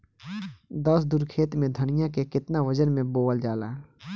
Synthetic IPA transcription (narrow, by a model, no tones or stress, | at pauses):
d̪əsd̪ʊɾkʰeːt̪mẽd̪ʱənɪjãkekɪt̪naʋəd͡ʒənmẽboːəld͡ʒaːlaːɦ